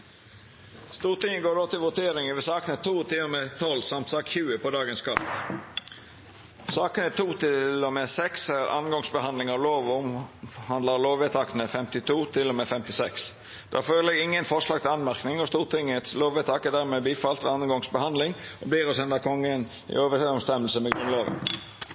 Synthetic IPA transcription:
st̪uːʁt̪ɪŋəɡoːɾdoːt̪ɪlʋʊt̪ʰeːɾɪŋəʋɛːsɑːkənət̪ʰuːt̪ʰɪlɔmet̪ʰɔlːsɑmt̪sɑːkçʉːəpɔd̪ɑːɡənskʰɑ̰t̪ | sɑːkənət̪ʰuːt̪ʰɪlːɔmeːsɛksæɾɑ̰nɡɔŋsbəhɑnd̪lɪŋɑʋloːʋʊmhɑnd̪ləʁloːʋet̪ʰɑkənəfɛmt̪ɪt̪ʰuːt̪ʰɪlːɔmɛfɛmt̪ɪsɛks | d̪̥ɑ̰ːføːɾləɛɡɪŋːənfɔʂlɑːɡ̚t̪ɪlɑnmæʁknɪŋɔst̪uːʁt̪ʰɪŋət̪sloːʋɛt̪ʰɑkɛd̪æːʁmeːbiːfɑlt̪ʋɛɑnɡɔŋsbəhɑnd̪lɪŋɔbliːʁɔsɛnd̪əkʰɔŋːən | ḭoːʋəɔmst̪ɛməlsəmɛɡɾʉnlɑːʋə̰n

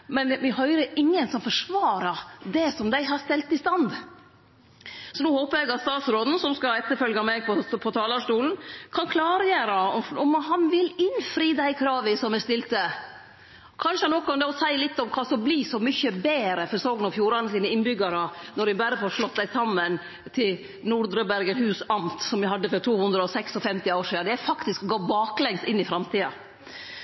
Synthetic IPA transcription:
mɛnmɪɦœʏɾəʔɪŋːənsɔmfɔʂʋɑːɾɑd̪ɛsɔmd̪æɪɦɑst̪ɛlt̪ɪst̪ɑnd̪ | sɔnuːhoːpəɾjɛɡɑt̪st̪ɑːt̪sɾoːd̪n̩sɔmskɑɛt̪ːəfœlɡɑmɛɡpʰɔpʰɔt̪ʰɑːlɑʂt̪uːln̩kʰɑnkʰlɑːɾjeːɾɑɔɔmhɑnʋɪlɪnfɾiːd̪æɪkʰɾɑːʋəsɔmæst̪ɪlt̪ə | kʰɑnʂəɑnɔkːɔnd̪ɛɔsæɪlɪt̪ːɔmkʰɑsɔmbliːsɔmʏçəbeːɾəfɔɾsoːɡnɔfjuːɾɑnəsiːnəɪnbʏɡɑɾənɔɾɪbæɾːəfɔɾʂlɔt̪ːd̪æɪsɑmːən | t̪ʰɪl | nuɾd̪ɾəbæɾɡəɾhʉːsɑmt̪sɔmjæhɑd̪ːəfɔɾt̪ʰuːhʉnd̪ɾəɔsɛksɔfɛmt̪ɪoːɾʂiːd̪ɑd̪ɛæfɑkt̪ɪskɡoːbɑːklɛŋst̪ɪnːɪfɾɑmt̪ʰiːɑ̰

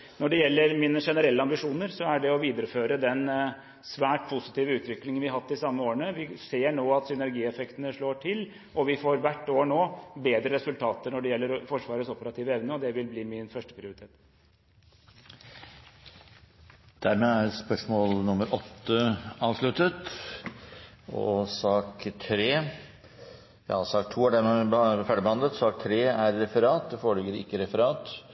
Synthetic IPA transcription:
nɔɖɛjɛlːəɾmɪnəʂɛnəɾɛlːəɑmbɪʂuːnəɾsɔæɖɛɔʋiːd̪əɾəføːɾəd̪ɛn | sʋæːʈpʰʊsɪ̥t̪iːʋəʉːt̪ʋɪklɪŋənʋɪɑɦɑt̪ːɪsɑmːəoːəɳəʋɪseːɳoːɑt̪sʏnæɾɡiːɛfɛkt̪ənəʂɭoːʈʰɪl | ʔɔʋɪfoːɾʋæʈːoːɳoːbeːd̪ɾəɾɛsʉlt̪ʰɑːt̪əɳɔɖɛjɛlːəɾfɔʂʋɑːɾət̪sɔpəɾɑt̪ʰiːʋəɛʋnəɔd̪ɛʋɪlbliːmɪnfœʂʈə̥pʰɾɪʊɾɪt̪ʰeːt̪ | d̪̥æɾmeːæɾspœʂmɔːlnʊməɾʔɔt̪ːəɑːʋʂɭʉt̪ət̪ | ɔ̰sɑːkt̪ʰɾeː | jɑ̰sɑːk̚t̪ʰːuːæɖɛmɛfæɖəbɛhɑnd̪lət̪sɑːk̚t̪ʰɾeːæɾːɛfəɾɑːt̪̚d̪ɛfɔɽɪɡəɾɪ̰kːəɾɛfəɾɑːt̪

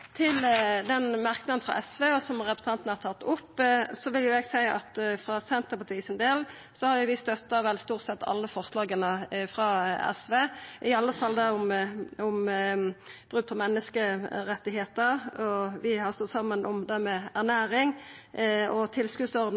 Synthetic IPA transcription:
t̪ʰɪld̪ɛnmɑʁknɑd̪nfɾɑ̰ʔɛsʋeːɔsɔmʁɛpɾə̥sɑnt̪ənəhɑt̪ʰɑt̪ːʊpːsɔʋɪljʊɛɡsæɪɑ̰t̪fʁɑsɛnt̪əpɑt̪ʰiːsənd̪eːl | sɔhɑɾjʊʋɪst̪œt̪ːɑʋɛlst̪uːʁt̪sɛt̪ːɑ̰lːəfɔʁslɑːɡənəfɾɑɛ̰sʋeːʔɪɑlːəfɑld̪ɛʊmɔm | b̥ʁʉːpʰɔmɛnːəskəɾɛt̪ːɪɦeːt̪əɾɔʋɪhɑʁst̪ɔt̪ːsɑmːənʔɔmd̪æʁmɛæʁnæːɾɪŋ | ɔt̪ʰɪlskʉːd̪sɔʁd̪

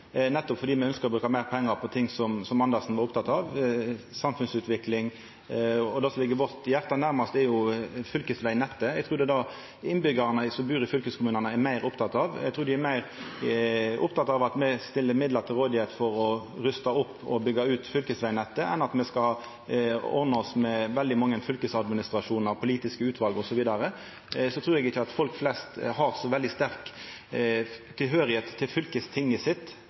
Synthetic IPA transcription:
nɛt̪ːɔpfɔɾd̪iːmɛœnskəɾɔbɾʉːkɑmæɪɾpʰɛŋːəɾpʰɔt̪ʰɪŋsɔmsɔmːɑnd̪ɑsn̩ʋɑɾʊpt̪ʰɑt̪ːɑʋsɑmfʉnsʉːt̪ʋɪklɪŋ | ɔd̪ɑsɔlɪɡːəʋɔʁt̪jæɾt̪ɑnæɾmɑst̪ɛɾjʊfʏlkəsʋæɪnɛt̪ːəæɡt̪ʰɾuːɾd̪ɛd̪ɑ | ɪnbʏɡɑɾnəsɔbʉːɾəfʏlkəskʰʊmʉːnɑnəɛɾmæɪɾʊpt̪ʰɑt̪ɑʋæ̰ɡt̪ʰɾʉːɾd̪ɪæɾmæɪɾ | ʔʊpt̪ʰɑt̪ɑʋɑt̪mɛst̪ɪlːəɾmɪd̪ləɾt̪ʰɪlʁoːd̪ɪheːt̪fɔɾɔɾʉst̪ɑʊpːɔ̰bʏɡːɑʉːt̪fʏlkəsʋæɪnɛt̪ːəʔɛ̰nɑt̪mɛskɑ | ɔ̰ɾnəɔsmɛʋɛld̪ɪmɑŋːənfʏlkəsɑd̪mɪnɪst̪ɾɑʂuːnɑɾpʰʊliːt̪ɪskəʉːt̪ʰʋɑlɡɔsɔʋiːd̪ɑɾə | sɔt̪ʰɾʉːɾɛɡɪçəɑt̪fɔlkflɛst̪hɑɾsɔʋɛld̪ɪst̪æɾk | t̪ʰːɪlɦøːɾɪheːt̪ʰːɪlfʏlkəst̪ʰɪŋːəsɪt̪ː

